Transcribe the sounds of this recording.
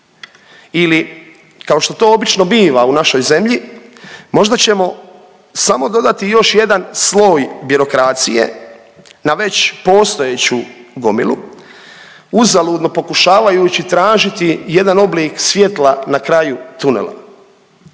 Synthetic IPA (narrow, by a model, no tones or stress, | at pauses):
ili | kao̞ʃt̪o̞t̪o̞ːobit͡ʃno̞biːʋaunaʃo̞jze̞mʎi | mo̞ʒd̪at͡ɕe̞mo̞ | samo̞d̪o̞d̪at̪ijo̞ʃje̞d̪anslo̞ːjbiɾo̞kɾaːt̪sijḛ | naʋe̞t͡ɕpo̞ːst̪o̞eːt͡ɕuɡo̞milṵ | uzaluːd̪no̞po̞kuʃaːʋajut͡ɕit̪ɾaːʒit̪ije̞d̪ano̞bliːksʋʲje̞t̪lˠanakɾajut̪unḛlˠa̰